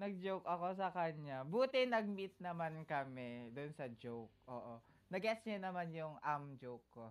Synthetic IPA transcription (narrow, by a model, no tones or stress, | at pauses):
nɐɡ̚d͡ʒowkʔɐko̞sɐkɐɲabuːt̪ɪnɐɡ̚mit̪̚nɐmankɐmɛd̪ʊnsɐd͡ʒowk̚ʔo̰ːʔo | nɐɡɛsɲanɐmanjʊŋʔamd͡ʒowkːo